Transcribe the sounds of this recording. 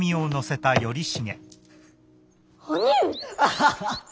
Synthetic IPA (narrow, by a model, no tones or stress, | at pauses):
mʲiono̞se̞t̪ajo̞ɾʲiɕiŋḛ̃